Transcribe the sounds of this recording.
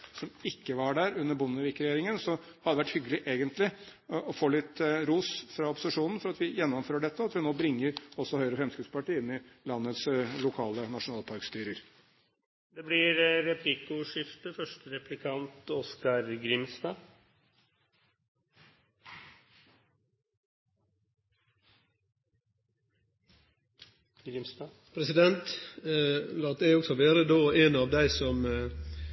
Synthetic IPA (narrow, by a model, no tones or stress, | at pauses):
sɔmɪkːəʋɑɖæːɾʉnːəɾbʊnːəʋɪkːɾɛjeːɾɪŋənsɔhɑd̪ɛʋæʈːhʏɡəlɪʔeːɡənt̪ʰlɪʔɔfoːlɪt̪ːɾuːsfɾɑɔpʊ̥sɪʂuːnn̩fɔɾɑt̪ʋɪjɛnːɔmføːɾɖɛt̪ːəɑt̪ʋɪnoːbɾɪŋːəɾɔsːɔhœʏəɾəfɾɛmskʉpspɑʈiːɪnːɪlɑnːət̪slʊkʰɑːlənɑʂʊnɑːlpʰɑɾkst̪yːɾəɾ | d̪ɛblɪɾɾɛplɪkʊʂɪft̪əfœʂʈəɾɛplɪkʰɑnt̪ɔskɑɾɡɾɪmst̪ɑː | ɡɾɪst̪ː | pʰɾɛsɪd̪ɛnt̪ | lɑːt̪̚d̪æɪɔksɔʋeːɾəd̪oːeːnɑːʋd̪æɪsɔm